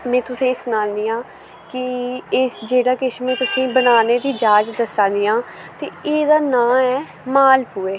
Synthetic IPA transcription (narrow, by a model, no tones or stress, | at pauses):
mɛ̃ːt̪ʊsẽːsʊnãːnd̪iːãː | kɪ | d͡ʒeːɽaːkɪʃmẽːt̪ʊsĩːbənaːneːd̪iːd͡ʒaːd͡ʒd̪əsãːd̪ijãː | t̪eːeːd̪aːnãːɛː | maːlpueː